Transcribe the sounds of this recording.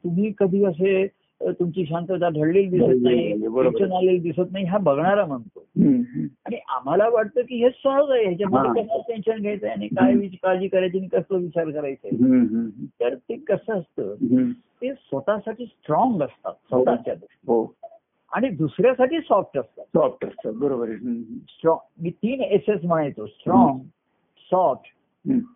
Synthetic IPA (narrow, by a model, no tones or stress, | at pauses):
t̪um̤iːkəd̪ʱiːəs̬e | t̪umt͡ɕiːɕ̬ant̪ət̪aɖʱəɽlild̪issət̪naɦibəɕənaleld̪isət̪naɦiɦabəɡɳaɾam̤əɳt̪o | aɽ̃iʔa̰m̤alaʋaʈ̚t̪əːkiːɦesɔd͡zaɦeɦet͡ɕaməkəsaʈenɕənɡʱet̪əjañikajʋit͡ɕkad͡ʑiːkəɾjt͡ɕinikəsləːʋit͡ɕaɾkəɾajt͡se | t̪əɾt̪ekəsəəst̪əːɦ | t̪esʋət̪asaʈiːsʈɾɔŋɡəst̪a̰t̪sət̪at͡ɕjad̪usʈiɦo | a̰ɽ̃id̪usɾjasaʈiːsɔfʈəst̪at̪sɔfʈəst̪əbəɾobəɾɦsʈɾɔ̃ŋɡmiːt̪iːneses̬m̤əɽ̃ajt̪osʈɾɔŋɡ | sɔʈ | ɦ